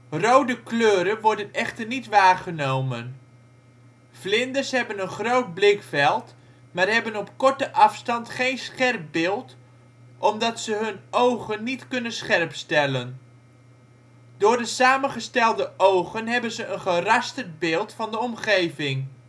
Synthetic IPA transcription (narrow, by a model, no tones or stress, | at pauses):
rowdəkløːɾənʋɔɹdənɛχtəɹnitʋaːɹχənowmən | vlɪndəɹsɦɛbənənχrowd̚blɪkfɛlˠt | maːrɦɛbənɔpkɔɹtəʔɑfstɑntχejnsχɛrp̚bɪːlˠt | ʔɔmdɑtsəɦɵnowχənːitkɵnənsχɛrpstɛlən | dʊːɹdəsaːmənχəstɛlˠdəʔowχənɦɛbənzəʔənχərɑstərd̚bɪːlˠtfɑndəɔmχejvɪŋ